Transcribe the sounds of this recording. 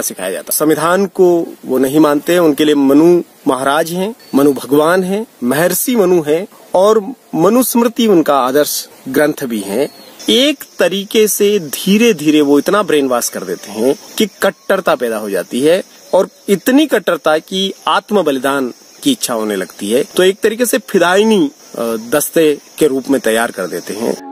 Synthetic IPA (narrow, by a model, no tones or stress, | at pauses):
sɪkʰa̰ːja̰d͡ʒa̰ːt̪asɐ̃mʋɪd̪ʱaːnkoʋonɐɦĩmãːnt̪eɦɛ̃ʊnkeliemɐnu | mɐɦaɾaːd͡ʒɦɛ̃mɐnubʱɐɡʋaːnɦɛ̃mɐɦɛɾsimɐnuɦɛ̃ | ɔːɾ | mɐnusmɾɪt̪iʊnkaaːd̪əɾʃ | ɡɾə̃nt̪ʰbʱiɦɛ̃eːkt̪ɐɾiːkesed̪ʱiːɾed̪ʱiːɾeʋoɪt̪nabɾeːnʋaːskɐɾd̪ḛːt̪eɦɛ̃kikɐʈːəɾt̪apɛːd̪aɦod͡ʒa̰ːt̪iɦɛ | ɔːɾɪt̪nikɐʈːəɾt̪akiaːt̪məbɐlɪd̪aːn | kiɪtːʃʰaɦoːnelɐɡt̪iɦɛːt̪oeːk̚t̪ɐɾiːkesepʰɪd̪aːɪni | d̪ɐst̪ekeɾuːpmẽt̪ɐjːaːɾkɐɾd̪ḛːt̪eɦɛ̰̃ː